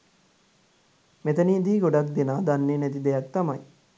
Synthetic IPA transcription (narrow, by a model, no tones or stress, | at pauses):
met̪əniːd̪iːɡoɖak̚d̪enaːd̪anːeːnæt̪̬id̪ejak̚t̪amaj